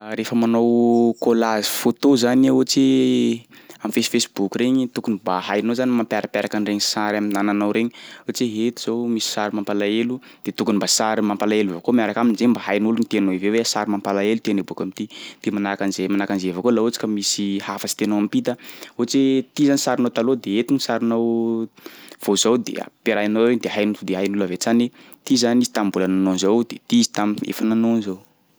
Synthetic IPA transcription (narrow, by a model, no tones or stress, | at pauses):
ɾefəmanowkolazi̥fot̪ozanaot͡ʃe | amfesi̥fesi̥bukʲireɲit̪ukunibaɦajnozanimampaɾapeɾakanreɲisaɾaminananawɾeɲiot͡ʃeɦet̪iz̥owmisi̥saɾimampalaelud̪̥et̪ukunimbasaɾimampalaelivakomiaɾakaminzembaɦajnulunit̪eanoiveweasaɾimampalaelut̪eanebukamit̪id̪̥emanakanizemanakanzevakolaot͡si̥kəmisihafasi̥t̪enoampit̪aot͡set̪izanisaɾinowt̪alod̪eet̪inisaɾinow | v̥ozawd̪ḛa̰peɾajnoed̪eɦajnuud̪eɦajnulavet͡sane | t̪izanizi̥t̪ambulananonzowd̪et̪iizi̥t̪amḛfananonzow